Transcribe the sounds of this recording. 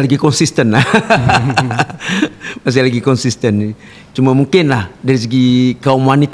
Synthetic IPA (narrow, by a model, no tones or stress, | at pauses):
laɡikɔnsist̪ənla | mas̬ɪlaɡikɔnsist̪əni | t͡ʃumamuŋkɪnlahdaɾis̬iɡikaumwanit̪